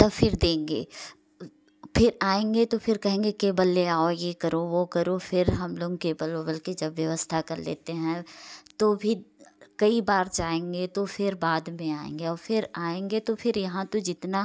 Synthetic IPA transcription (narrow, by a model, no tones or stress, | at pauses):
t̪ɐbfʰɪɾd̪ẽːŋɡḛː | pʰɪɾaːẽːŋɡet̪ofʰɪɾkɐɦẽːŋɡekeːbəlːeaːojekɐɾoʋokɐɾofʰɪɾɦɐmloːɡkeːbəlobɐlkid͡ʒɐbʋjɐʋəst̪ʰakɐɾlḛːt̪eɦɛ̃t̪oːbʱikɐibaːɾd͡ʒaːẽːŋɡet̪ofʰɪɾbaːd̪mẽaːḛ̃ːŋɡeɔːɾfɪɾaːẽːŋɡet̪ofʰɪɾjɐɦãt̪od͡ʒɪt̪na